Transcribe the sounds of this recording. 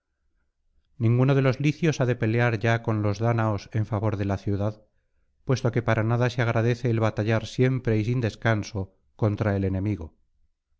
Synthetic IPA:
nĩŋɡuno̞ð̞e̞lo̞zliθjo̞saðe̞pe̞leaɾʝako̞nlo̞zðanaose̞ɱfaβo̞ɾðe̞laθjuðað | pwe̞st̪o̞ke̞paɾanaðaseaɣ̞ɾaðe̞θe̞ːlβat̪aʎaɾsje̞mpɾe̞isind̪e̞skanso̞ | ko̞nt̪ɾaele̞nẽ̞miɣo

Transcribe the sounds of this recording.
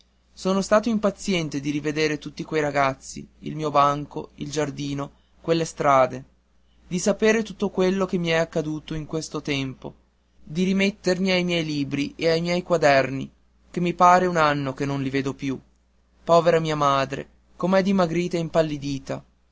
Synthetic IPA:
soːnost̪aːt̪oimpat̪sːjɛnt̪ed̪iɾived̪eːɾet̪ut̪ːikwejɾaɡat̪sːḭḭlmiːobaŋkoild͡ʒard̪iːno | kwelːest̪ɾaːd̪e | d̪isapeːɾet̪ut̪ːokwelːokemːiɛakːad̪uːt̪oiŋkwest̪ot̪ɛmpo̰ | d̪iɾimet̪ːermiajmjɛjliːbɾiʔeajmjɛjkwad̪ɛrnḭ | k̟emːipaːɾeunanːokenːonliveːd̪opju | pɔːveɾamiːamaːd̪ɾḛ | komɛd̪imaɡɾiːt̪aimpalːid̪iːt̪a

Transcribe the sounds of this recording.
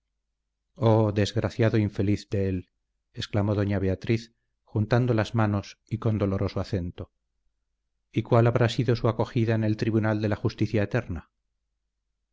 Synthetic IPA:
oðe̞zɣɾaθjaðo̞iɱfe̞liθd̪eel | esklamo̞ðo̞ɲaβe̞at̪ɾiθ | xunt̪and̪o̞lazmano̞siko̞nd̪o̞lo̞ɾʔo̞soaθe̞nt̪o̞ | ikwalaβɾasiðo̞suako̞xiðaene̞lt̪ɾiβunald̪e̞laxust̪iθjaet̪eɾna

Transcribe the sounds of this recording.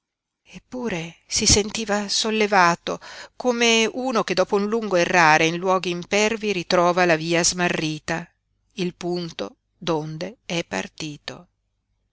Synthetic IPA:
epːuːɾesisent̪iːvasolːevaːt̪okomeuːnok̟ed̪ːɔːpounluŋɡoerːaːɾeinlwɔːɡiːmpɛrviɾit̪ɾɔːvalaviːazmarːiːt̪a | ilpunt̪o | d̪ond̪eɛpːa̰rt̪iːt̪o̰

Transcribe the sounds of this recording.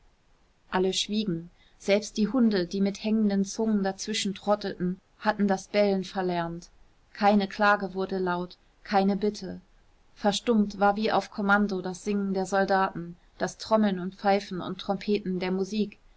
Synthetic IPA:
ʔʔaləʃv̥iːɡŋ̩ | z̥ɛlpst̚d̥iːɦʊndədiːmɪthɛŋəndənt͡sʊŋəndat͡sv̥ɪʃn̩tʁ̥ɔtətn̩ | hatn̩dasb̥ɛlənfɛɐlɛɐnt | kʰaɪnəkʰl̥aːɡəvʊɐdəlaʊt | kʰaɪnəbɪtʰə | fɛɐʃtʊmtv̥aːɐviːʔa̰ʊfkʰɔmandodasz̥ɪŋən̩deːɐzɔldaːtn̩ | d̥astʁ̥ɔml̩nʊntp͡faɪfn̩ʊ̰ntʰːʁ̥ɔmpʰeːtn̩deːɐmuziːk

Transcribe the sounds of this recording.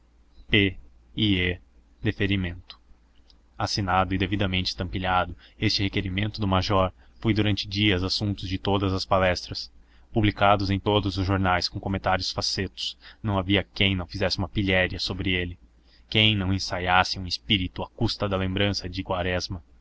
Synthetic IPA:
pe | ie | d̪efeɾimẽnt̪ʊ̥ | asinad̪ʊɪd̪evid̪ɐmẽnt͡ʃɪ̥t̪ɐ̃mpiʎad̪ʊest͡ʃɪhekeɾimẽnt̪ʊd̪ʊmaʒɔɾ | fojd̪uɾɐ̃nt͡ʃɪd͡ʒiɐzasũnt̪ʊzd͡ʒɪt̪od̪ɐzɐspalɛst̪ɾɐs | publikad̪ʊzẽj̃t̪od̪ʊzʊzʒoɾnajskõkomẽnt̪aɾjʊsfaset̪ʊ̥snɐ̃w̃aviɐkẽj̃nɐ̃w̃fizɛsɪũmɐpiʎɛɾiɐsobɾɪelɪ | kẽj̃nɐ̃w̃ẽsajasɪũispiɾit̪ʊakust̪ɐd̪ɐlẽmbɾɐ̃sɐd͡ʒɪkwaɾɛzmɐ

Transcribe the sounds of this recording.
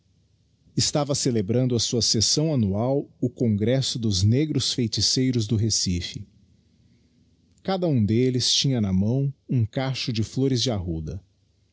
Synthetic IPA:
ɪst̪avɐselebɾɐ̃nd̪ʊɐsuɐsesɐ̃w̃anuawʊkõŋɡɾɛsʊd̪ʊzneɡɾʊsfejt͡ʃisejɾʊzd̪ʊɦesifɪ | kad̪ɐũd̪elɪst͡ʃĩɲɐnɐmɐ̃w̃ũkaʃʊd͡ʒɪfloɾɪzd͡ʒɪaɦud̪ɐ

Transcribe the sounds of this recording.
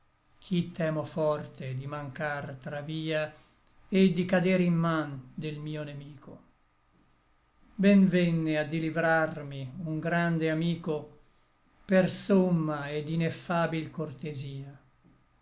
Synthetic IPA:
k̟ʰit̪ːɛːmofɔrt̪ed̪imaŋkart̪ɾaviːa | ed̪ikad̪eɾimːand̪elmiːonemiːko | bɛnvɛnːead̪ilivɾarmiuŋɡɾand̪eamiːko | persomːaed̪inefːaːbilkort̪eziːa

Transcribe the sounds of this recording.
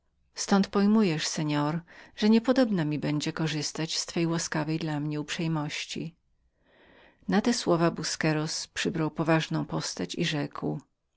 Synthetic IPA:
st̪ɔ̃nt̪pɔjmujɛʂsɛɲɔɾʐ̥ɛɲɛpɔd̪ɔbnamʲibɛɲd͡ʑɛkɔʐɘst̪at͡ɕst̪fɛjwaskavɛjd̪lamɲɛupʂɛjmɔɕt͡ɕḭ | nat̪ɛswɔvabuskɛɾɔspʂɘbɾawpɔvaʐnɔ̃w̃pɔst̪at͡ɕḭʐɛkw

